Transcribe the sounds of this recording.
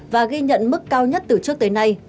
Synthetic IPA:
vaː˨˩ɣi˧ɲə̰˧˨nmɨ˦˥kːaː˧wɲə˦˥t̚t̪ɨ˨˩t͡ɕɨ˦˥ək̚t̪ːjna˧j

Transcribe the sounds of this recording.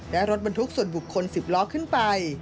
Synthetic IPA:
lɛ˦˥ɾo˦˥t̪̚ba˧nt̪ʰu˦˥k̚su˨˩ənbu˨˩kʰːo˧nsi˨˩p̚lɔː˦˥kʰːɯ˥˩npa˧j

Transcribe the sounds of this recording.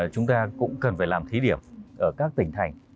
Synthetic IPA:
t͡ɕʊ˨˦ŋ͡mt̪aː˧kʊ̰˧˥ŋ͡mkə˨˩nfaː˧˩jlaː˨˩mt̪ʰi˨˦ɗi˧˩əmʔəː˧˩kaː˦˥k̚t̪ï˧˩ŋ̟t̪ʰa˨˩jŋ̟

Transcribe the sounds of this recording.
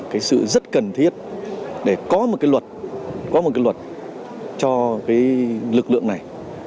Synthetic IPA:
kaː˨˦jsɨ̰˧˨zə˦˥t̚kə˨˩nt̪ʰi˦˥ət̚ɗe˧˩kɔ˨˦mo˨˩t̚kaː˨˦jlwə˨˩t̚kɔ˨˦mo˨˩kaː˨˦jlwə˨˩t̚ | t͡ɕɔ˧kaː˨˦jlɨ˨˩k̚lɨ̰˧˨əŋna˨˩j

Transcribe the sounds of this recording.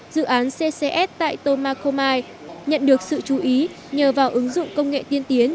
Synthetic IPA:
zɨ̰˧˨ʔaː˨˦nse˧se˧ʔɛ˦˥p̚t̪a̰ː˧˨jt̪o˧maː˧ko˧maː˧j | ɲə̰˧˨nɗɨ˨˩ək̚sɨ̰˧˨t͡ɕu˨˦ʔi˨˦ | ɲəː˨˩vaː˨˩wʔɨ˨˦ŋzʊ̰˧˨ŋ͡mkə˧wŋ͡mŋḛ˧˨t̪i˧ənt̪i˨˦ən

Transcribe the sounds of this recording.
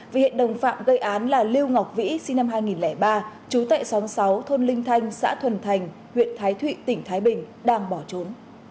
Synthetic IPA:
ve˨˩hḭ˧˨ənɗə˨˩wŋ͡mfa̰ː˧˨mɣə˧jʔaː˨˦nlaː˨˩li˧əwŋa˨˩wk͡p̚vḭ˧˥sï˧ŋna˧mɦaː˧jŋi˨˩nlɛ˧˩ɓaː˧t͡ɕu˨˦t̪a̰ː˧˨jsa˨˦ŋsa˨˦wt̪ʰo˧nlï˧ŋ̟t̪ʰa˧jŋ̟sa̰ː˧˥t̪ʰwə˨˩nt̪ʰa˨˩jŋ̟ | hwḭ˧˨ənt̪ʰaː˨˦jt̪ʰwḭ˧˨t̪ï˧˩ŋ̟t̪ʰaː˨˦jɓï˨˩ŋ̟ | ɗaː˧ŋɓɔ˧˩t͡ɕo˨˦n

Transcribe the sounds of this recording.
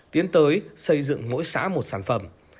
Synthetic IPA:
t̪i˨˦ənt̪əː˨˦jsə˧jzɨ̰˧˨ŋŋo̰˧˥jsa̰ː˧˥mo˨˩t̚saː˧˩nfə˧˩m

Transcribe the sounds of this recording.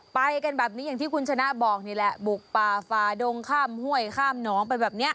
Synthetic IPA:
pa˧jka˧nbɛː˨˩p̚ni˦˥ja˨˩ŋt̪ʰiː˥˩kʰu˧nt͡ɕʰa˧na˦˥ʔbɔː˨˩k̚niː˧˩lɛ˧˦˥ʔbu˨˩k̚paː˨˩faː˧do˧ŋkʰaː˥˩mhu˥˩əjkʰaː˥˩mnɔː˩˦ŋpa˧jbɛː˨˩p̚ni˦˥ɐʔ

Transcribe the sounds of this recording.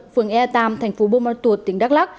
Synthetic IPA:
fɨ˨˩əŋʔɛ˧t̪aː˧˩mt̪ʰa˨˩jŋ̟fo˨˦ɓo˧ma˧t̪u˨˩ət̚t̪ːi˨˦ŋɗa˦˥k̚la˦˥k̚

